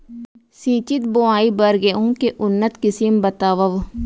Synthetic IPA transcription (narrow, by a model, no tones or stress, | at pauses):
sĩːt͡ʃɪt̪̚boaːibɐɾɡeõkeʔʊnːət̪kɪsiːmbɐt̪aːʋəʋ